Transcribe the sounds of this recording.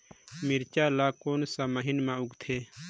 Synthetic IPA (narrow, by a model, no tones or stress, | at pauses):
miɾt͡ʃaːlaːkoːnsamɐɦinmãuɡt̪ʰeː